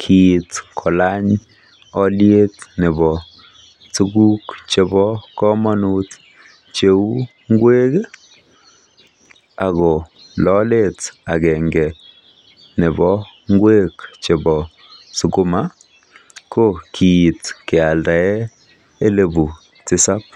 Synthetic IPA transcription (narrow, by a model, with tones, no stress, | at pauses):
kʰitkʰɔ˨la˦ɲ | ɔ˦lje˦tnɪ˨bɔ˨ | su˦ɡu˦kt͡ʃe˧bɔ˦kɔ˦mɔ˦nu˦t | t͡ʃe˨u˦ | ŋɡwe˦k | a˨ɣɔ˨ | lɔle˦ta˨ɡɛ˨ŋɡɛ˨ | nɪ˨bɔ˦ŋɡwe˦kt͡ʃe˨bɔ˨ | su˨ku˦ma˦ | ko˦kʰi˨i˨tke˨a˨lda˨ɛ˦ | e˦le˨bu˨ | t͡sɪ˦sa˦p̚